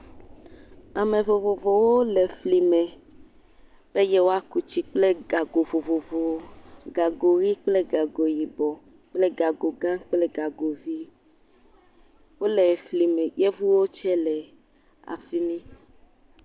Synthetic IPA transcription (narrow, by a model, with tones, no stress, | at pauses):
a˨mẽ˨vo˨vo˨vo˨wo˦lɛ˨fli˨mɛ̃˨ | b̥e˦jɛ˦wo˦a˦ku˨t͡ʃi˦k͡ple˦ɡa˨ɡo˨vo˨vo˨vo˨ɡa˨ɡo˨ɾi˦k͡ple˦ɡa˨ɡo˨ji˨bɔ˨ | k͡ple˦ɡa˨ɡo˨ɡã˦k͡ple˦ɡa˨ɡo˨vi˦ | wo˦lɛ˨fli˨mɛ̃˨jɛ˦vu˦wo˦t͡ʃɛ˦lɛ˨ | a̰˨fi˦mĩ˦